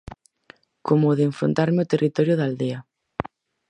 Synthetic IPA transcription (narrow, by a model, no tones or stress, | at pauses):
kʰomoːðeeɱfɾo̰nt̪aɾmeot̪erʔit̪ɔɾjʊðald̪eɐ